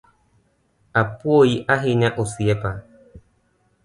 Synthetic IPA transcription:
apwoiʔaɦiɲaʔosiɛpa

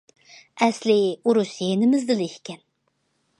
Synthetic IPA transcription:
ɛslɪuɾusjenɪmɪzd̪ɨlihkʲʰɛn

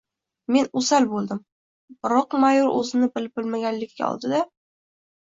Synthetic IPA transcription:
me̞nʊsalbolˠd̪ɪm | ɾɒqmajʊɾʔɵ̰zɪnɪbɪlɪb̚ɪlmaɡʲanlɪkʲːa̰ɒ̰lˠd̪ɪd̪a

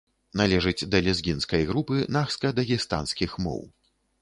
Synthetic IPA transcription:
nalʲɛʐɨd͡zʲd̪ɐlʲɛzɡʲinskɐjɣɾupɨnaxskɐd̪ɐɣʲist̪a̰nskʲixmɔ̰w

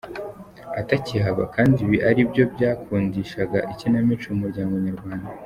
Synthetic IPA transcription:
atacihaβa̰kaːndiβiʔaɾibjo̞bɟaːkʰuːndiːʃaɡaʔicinamit͡ʃumuɾɟaːŋɡoɲaɾɡwaːnda

